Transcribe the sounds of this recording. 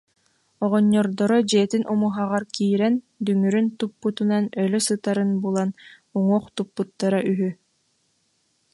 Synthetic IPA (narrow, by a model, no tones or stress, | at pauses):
ɔʁɔɲːɔɾd̪ɔɾɔd͡ʑiɛt̪inʔumuɦaʁaɾkiːɾɛn | d̪yŋyɾynt̪upːut̪unanœlœsɯt̪aɾɯnbulˠan | uŋuɔχt̪upːut̪ːaɾaʔyɦy